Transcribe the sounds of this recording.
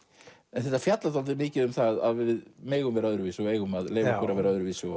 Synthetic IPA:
ɛnθɛht̪ːafjat̪lat̪ʰalt̪ɪmɪːcɪðʏmθaða̰ðvɪðmeːɣʏmvɛɾaœðɾʏviːsʏɔeːjɣʏmaðleːjvakʏɾavɛːɾaœðɾʏvisʏɔ

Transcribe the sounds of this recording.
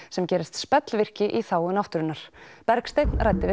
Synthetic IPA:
sɛmcɛːɾɪst̪spɛt̪lvɪr̥cɪʔiθaːwɪnawht̪ʏɾɪnːaɾ̥pɛɾkst̪ejt̪nrajt̪ɪvɪ

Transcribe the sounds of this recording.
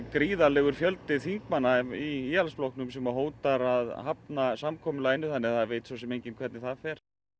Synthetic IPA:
kɾiːðalɛːɣʏɾfjœlt̪ɪθiŋkmanːaiiːalsplohknʏms̬ɛmaɦoːwt̪aɾaðhapnasamkʰɔːmʏlaːjnːʏθanːɪθaðvejt̪sows̬ɛmejɲcɪnkʰvɛɾt̪nɪθaðfɛɾ̥

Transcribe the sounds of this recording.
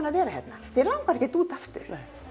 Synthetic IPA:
naðvɛːɾahɛ̰t̪naθiɾlawkvaɾɛhcːɪt̪uːt̪aft̪ʏ̰ɾ̥

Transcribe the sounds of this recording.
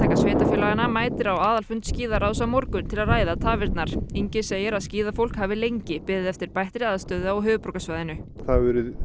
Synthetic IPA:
t̪ʰɛkasveːt̪afɪːlaanːamaːjt̪ɪɾawaːðalfʏnt̪sciːðaɾaːws̬amoɾkʏnt̪ʰɪlaðraːjðat̪ʰaːvɪɾt̪naɾ̥iɲcɪseːjɪɾaðsciːðafowl̥khaːvɪlejɲcɪpɪðɪðɛft̪ɪɾ̥pajht̪ɾɪaːðast̪œːðaɔɣɦʏːvʏpɾɔwkasvajðɪnʏ | θavɛɾʏð

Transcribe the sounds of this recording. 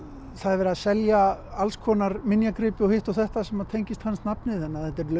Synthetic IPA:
θaðɛɾvɛːɾɪaðsɛljaalskʰɔːnaɾmɪnjakɾɪːpɪɔhɪht̪ɔwθɛht̪asɛmaðt̪ʰejɲcɪst̪hanːst̪napnɪθɛnːaθɛht̪ːɛɾlœ

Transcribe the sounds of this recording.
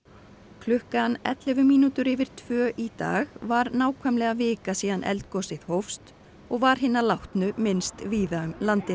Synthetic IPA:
kʰlʏhkanɛ̰t̪lɛvʏmiːnut̪ʏɾɪvɪɾ̥t̪ʰvœːʔit̪a̰ːɣvaɾnaːwkʰɛmlɛɣavɪːkasiːðanʔɛ̰lt̪̚kɔsɪð̥howfst̪ | ɔɣvaɾ̥ɦɪnːalawht̪nʏmɪnst̪viːðaʏmlant̪ɪ

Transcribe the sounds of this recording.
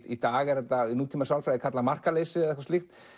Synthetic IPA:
it̪aːɣɛɾðɛt̪ainuːt̪ʰiːmasawlfɾajðɪkʰat̪lamar̥kaleːsɪðɛhkvḁst̪ixt̪

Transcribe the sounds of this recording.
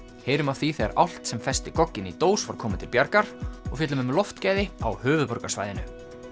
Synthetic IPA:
heːjɾʏmawθiθea̰ɾʔa̰wl̥t̪sɛmfɛst̪ɪkɔcːɪnit̪oːwsvaɾ̥kʰɔːmɪt̪ʰɪlpjaɾkaɾ̥ɔɣfjɛːt̪lʏmʏmlɔft̪caːjðɪa̰whʏːvʏðpɔɾkḁsva̰jðɪnʏ

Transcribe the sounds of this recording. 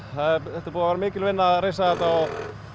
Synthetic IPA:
θaɪθɛht̪apuːavaːɾamɪːkɪlvɪnːaɾeːjsaðɛt̪aɔɣ

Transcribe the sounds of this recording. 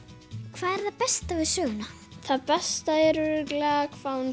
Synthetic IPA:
kʰvaːðɛɾ̥θaðpɛst̪avɪðsœːɣʏna | θaðpɛst̪aɛɾʏɾɪklɛɣakʰvawn

